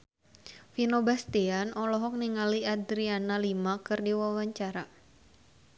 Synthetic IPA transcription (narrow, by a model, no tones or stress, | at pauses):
finobast̪ianɔlɔɦɔk̚niŋaliad̪ɾianalimakɨrdiwawaɲt͡ʃaɾa